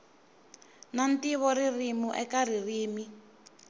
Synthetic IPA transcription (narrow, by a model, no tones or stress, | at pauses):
nantiβɔririmuʔɛkaririːmi